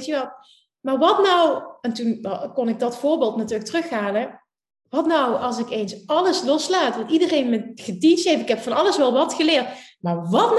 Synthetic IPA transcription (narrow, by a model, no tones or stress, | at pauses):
təʋɑt | maːɹʋɑtnʌwɛntunkɔnɪɡ̚dɑtfʊːɹbeːlˠtnatyːɹləktrɵxaːnɛ | ʋɑtnʌwɑlˠsɪkejnsɑləslɔslaːtʋɑntidərejnməxədinsejfɪ̥kɦɛpfɑnɑləsʋɛlˠʋɑtxəlɪːɹtmaːɹʋɑtn